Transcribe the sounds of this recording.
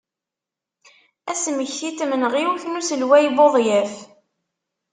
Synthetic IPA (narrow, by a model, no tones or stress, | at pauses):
æsməçθit̪mənʁiwuçnusəlwæjboðˤjæf